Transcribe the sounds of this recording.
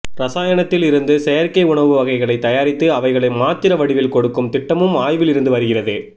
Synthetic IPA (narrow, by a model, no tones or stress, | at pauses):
ɾɐsaːjɐɳɐt̪ːɪlɪɾɯnd̪ɯsɛjɐɾkɐɪʊɳɐʋɯʋɐɣɐɪɣɐɭɐɪt̪ːɐjaːɾɪt̪ːɯɐʋɐɪɣɐɭɐɪmaːt̪ːɪɾɐʋɐɽɪʋɪlkɔɽɯkːɯmt̪ɪʈːɐmɯmaːjʋɪlɪɾɯnd̪ɯʋɐɾɯɣɪrɐðeː